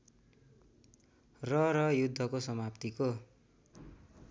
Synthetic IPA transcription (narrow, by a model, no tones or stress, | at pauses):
rʌɾʌjud̪ʱːʌkosʌmapt̪iko